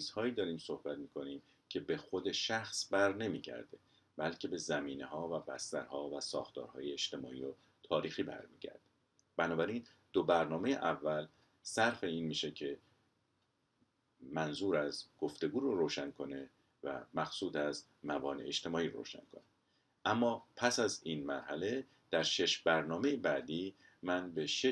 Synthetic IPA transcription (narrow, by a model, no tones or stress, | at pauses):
t͡ʃʰiːz̥hɒːiːd̪ɒːɾiːmso̞hbæt̪miːkʰoniːm | cʰe̞be̞xo̞d̪e̞ʃæxsbæɾne̞miːɟæ̰ɾd̪e̞ | bælcʰe̞be̞zæmiːne̞hɒːvæbæst̪æ̰ɾhɒːvæsɒ̰ːxt̪ɒ̰ːɾhɒ̰ːjeet͡ʃt̪e̞mɒːʔiːɾo | t̪ʰɒːɾiːxiːbæ̰ɾmiːɟæ̰ɾd̪̥e | b̥ænɒːbæɾin | d̪̥obæɾnɒːme̞jḛʔævːæl | sæɾfe̞iːnmiːʃe̞cʰe̞ | mænzuːɾæzɡ̥o̞ft̪e̞ɡuːɾoɾoːʃæŋkʰo̞ne̞ | væ̰mæxsuːt̪æz | mæbɒːnḛeʃt̪ʰe̞mɒːiːɾɾo̰ːʃæ̰ŋkʰone | ʔæmːɒːpʰæsæzinmæɾhæle̞ | d̪̥æɾʃe̞ʃbæɾnɒːme̞jebæːd̪iː | mænbe̞ʃe